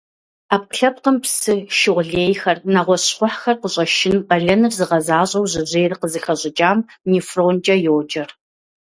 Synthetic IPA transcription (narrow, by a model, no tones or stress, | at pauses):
aːp̚qɬɐp̚qəmpsɨʃɪʁʷɮeːjxɐrnaʁʷɔɕχʷʊħxɐrqəɕʼɐʃɪnqɐɮɐnɨrzɨʁɐzaːɕʼɐwʑɨʑeːrɨqəzɨxɐɕʼɪd͡ʒʼaːmnifroːnt͡ʃʼɐjowd͡ʒʼɐr